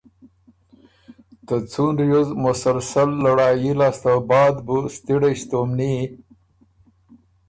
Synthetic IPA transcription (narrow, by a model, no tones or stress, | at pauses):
t̪ət͡sunɾjuzmʊsalsalːaɽɑːjilast̪abɑːd̪bust̪iɽeɕt̪omni